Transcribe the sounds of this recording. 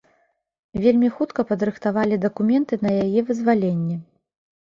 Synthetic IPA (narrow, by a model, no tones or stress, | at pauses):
vʲelʲmʲixut̪kɐpɐd̪ɾɨxt̪avalʲid̪ɐkumʲɛnt̪ɨnɐjajɛvɨzvalʲenʲːɛ